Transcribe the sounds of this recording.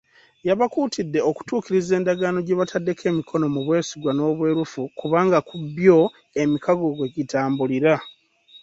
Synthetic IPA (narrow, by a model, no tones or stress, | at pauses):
jaβakuːtʰidːe̞oku̥tuːkiɾize̞ːndaɡaːno̞ɟeβatʰadːe̞kʰe̞ːmikʰo̞no̞muβwe̞ːsiɡwano̞ːβwe̞ːɾufukuβaːŋɡakubjo̞ | e̞mikʰaɡo̞ɡwe̞ɟitʰaːmbuliɾa